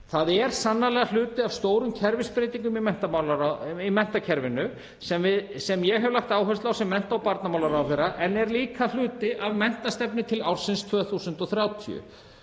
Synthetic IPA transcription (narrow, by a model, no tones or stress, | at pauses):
θaðɛɾ̥sanːalɛːɣal̥ʏːt̪ɪavst̪oːwɾʏmcʰɛɾvɪspɾeːjt̪iŋkʏmimɛn̥t̪amawlaɾaimɛn̥t̪acʰɛɾvɪnːʏ | sɛmvɪðsɛmjɛɣɦɛvɪlaxt̪aːwɦœst̪lawsɛmːɛn̥t̪awpaɾt̪namaːwlaɾawθejɾaʔɛnɛɾliːkal̥ʏːt̪ɪʔavmɛn̥t̪ast̪ɛpnɪt̪ʰɪlawr̥sɪnst̪ʰvœːθusʏnt̪ɔθɾjaːwt̪ʰḭʏ̰